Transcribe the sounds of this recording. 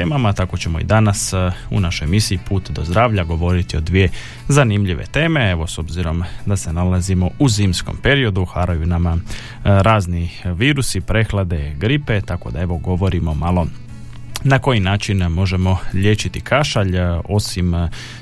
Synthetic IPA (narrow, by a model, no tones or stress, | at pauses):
t̪eːmamat̪ako̞t͡ɕe̞mo̞ḭd̪anasṵnaʃo̞jmisiipʰuːt̪d̪o̞zd̪ɾaːʋʎaɡo̞ʋo̞ɾit̪io̞d̪ʋije̞ | zanimʎiʋḛt̪e̞ːme̞e̞ʋo̞so̞bziɾo̞md̪ase̞nalazimo̞uziːmsko̞̰mpe̞ɾio̞d̪uxaɾajunama | ɾaːzniʋiːɾusipɾe̞xlˠad̪e̞ɡɾipe̞t̪ako̞̰d̪ae̞ʋo̞ɡo̞ʋo̞ɾimo̞malo̞ | nako̞jinaːt͡ʃinmo̞ʒe̞mo̞ʎe̞ːt͡ɕit̪ikʰaʃaʎo̞sim